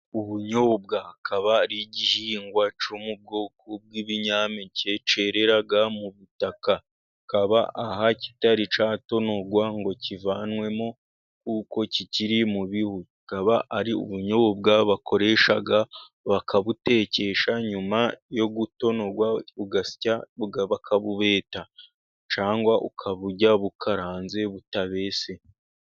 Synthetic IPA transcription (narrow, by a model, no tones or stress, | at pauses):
uβuɲo̞ːb̚ɡakʰaβaɾiɟihiːŋɡwat͡ʃomub̚ɡo̞ːkʰob̚ɡiːβiɲaːmece̞t͡ʃe̞ɾe̞ɾaɡamuβutaka | kaβa̰ʔahaci̥taɾit͡ʃaːto̞no̞ɡwaŋɡo̞civaːnwe̞mo | kuːko̞ciciɾimuβihucikaβaʔaɾiṵβuɲoβobɡaβakʰo̞ɾe̞ʃaɡa | βakʰaβute̞ːce̞ʃaɲumajo̞ɡuto̞no̞ɡwauɡasi̥caβuɡaβakʰaβuβe̞ːta | t͡ʃaːŋɡwaʔṵkʰaβuɟaβukʰaɾaːnze̞βutaβe̞ːse̞